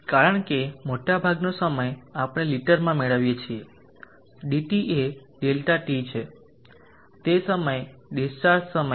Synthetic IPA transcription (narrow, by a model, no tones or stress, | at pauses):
kaɾəɳ̃kemoʈabʱaɡnosəməjapɽ̃eliʈəɾmãmeɭəʋjet͡ʃʰie | ɖiʈiʔeɖelʈaʈit͡ʃʰe | t̪esəməjɖisʈaɾssəmə